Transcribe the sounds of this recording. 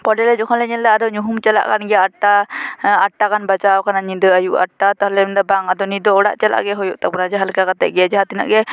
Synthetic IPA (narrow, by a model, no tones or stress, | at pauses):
pɔɖɛlɛd͡ʒɔkʰɔnlɛɲɛllaad̪ɔɲuɦumt͡ʃɛla̰ʔkanɡɛaʈːaaʈːakanbat͡ʃawkanaɲid̪əajuʔa̰ʈːat̪ɔɦlɛmɛnd̪abaŋad̪ɔnid̪ɔɔɽa̰ʔt͡ʃɛla̰ʔɡɛɦɔjuʔt̪apunad͡ʒɛɦalkakat̪ɛ̰ʔɡɛad͡ʒɛɦat̪ina̰ʔɡɛ